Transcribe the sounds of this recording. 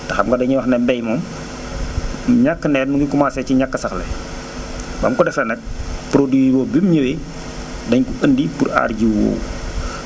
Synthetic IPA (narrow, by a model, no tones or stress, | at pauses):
tɐxɐmɡɐdɐɲiwɐxnɛmbɛjmɔːm | ɲakːənɛːɾnuŋɡikumasɛciɲakːəsɐxlɛ̰ | bɐ̰mkɔdɛflɐnɛk̚pɾodwiwɔːbimɲəwi | dɐɲkuəndipura̰ːrɟiwo̰ːw